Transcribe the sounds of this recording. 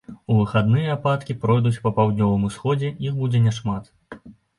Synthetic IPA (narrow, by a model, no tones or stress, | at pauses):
uvɨxad̪nɨjɛapat̪kʲipɾɔjd̪ut͡sʲpɐpawd̪ʲnʲɔvɨmusxɔd͡zʲɛixbud͡zʲɛnʲɛʂmat̪